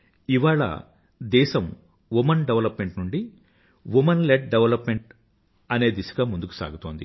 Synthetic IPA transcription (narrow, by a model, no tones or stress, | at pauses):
iʋaːɭɐ̰ | d̪ɛːʃɐm | ʋumɐnɖeʋɐlɐpme̞ɳʈnuɳɖi | ʋumɐnleʈ̚ɖeʋɐlɐpme̞ɳʈ | ɐne̞ːd̪isɐ̥ɡaːmund̪uku̥sa̰ːɡut̪o̞ːnd̪ḭ